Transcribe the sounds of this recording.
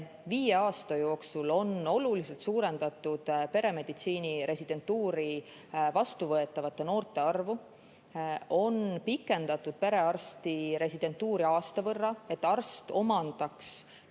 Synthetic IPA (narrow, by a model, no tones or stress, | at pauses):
viːjeɑːst̪ɑjo̞ːksulo̞no̞lulise̞lt̪suːɾe̞nd̪̥ɑt̪ːˑud̪̥pe̞ɾe̞me̞d̪̥it̪siːniɾe̞sʲid̪̥e̞nt̪ːuːɾi | vɑst̪uvɤe̞t̪ːˑɑvɑt̪ːe̞no̞ːrt̪ˑe̞ɑrvu | ʔo̞npikːˑe̞nd̪̥ɑt̪ːˑud̪̥̚pe̞ɾe̞ɑrst̪iɾe̞sid̪̥e̞nt̪ːˑuːɾiɑːst̪ɑvɤrːɑe̞t̪ːɑrst̪o̞mɑnd̪̥ɑks